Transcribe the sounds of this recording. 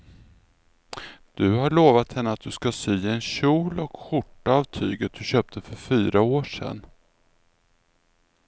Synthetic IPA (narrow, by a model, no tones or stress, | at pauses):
d̪̥ɵhaɭoːvat̪hɛnːəat̪̚d̪ɵskasyːɛnɕuːlɔkɧʊʈːaːvt̪ʰyːɡət̪̚d̪̥ɵɕøːp̚t̪ʰəfœɾfyːɾaoːʂɛ̰nː